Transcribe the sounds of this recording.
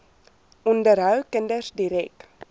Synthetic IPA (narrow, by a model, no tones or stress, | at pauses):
undəɾawkɛndəsdiɾɛk̚t